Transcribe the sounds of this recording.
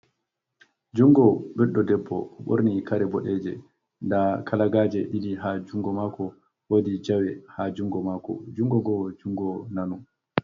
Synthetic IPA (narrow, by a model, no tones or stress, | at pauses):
d͡ʒuŋɡɔɓɛɗːɔdɛbːɔ̰ɓo̰ɾnikaɾɛbɔɗɛd͡ʒɛ | ndakʰalaɡaːd͡ʒɛɗidiɦad͡ʒuŋɡɔmakɔ | wodid͡ʒawɛhad͡ʒuŋɡɔmaːkɔ̰d͡ʒuŋɡɔɡɔd͡ʒuŋɡɔnanu